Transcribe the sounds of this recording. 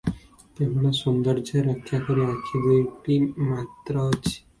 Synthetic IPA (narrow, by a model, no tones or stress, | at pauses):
t̪emɽasɔnd̪əɾd͡ʒəɾəkʰːjakəɾiakʰiɡəiʈimat̪ɾət͡ʃi̥